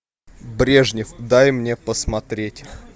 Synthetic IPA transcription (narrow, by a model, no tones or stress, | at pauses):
bɾʲe̞ʐnʲɪfd̪ajmnʲe̞pəsmɐt̪ɾʲetʲ